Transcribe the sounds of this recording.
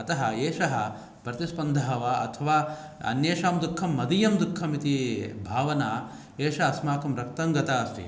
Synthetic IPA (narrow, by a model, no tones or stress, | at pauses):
ɐt̪ɐɦɐeːʂɐɦɐ | pɾɐt̪ispɐnd̪ʱɐɦɐʋaɐ̰t̪ʰɐʋaː | ɐ̰njeːʂaːmd̪ukʰːɐmːɐd̪ijɐmd̪ukʰːɐmit̪ibʱaːʋɐnaː | eːʃɐɐsmaːkɐmɾɐkt̪ɐŋɡɐt̪aːɐst̪ḭ